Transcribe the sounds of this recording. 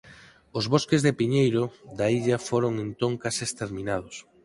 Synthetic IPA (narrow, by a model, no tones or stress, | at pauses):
ʊzβoskezðepiɲejɾʊðaiʎɐfoɾoŋent̪oŋkasɪest̪eɾmĩnaðʊs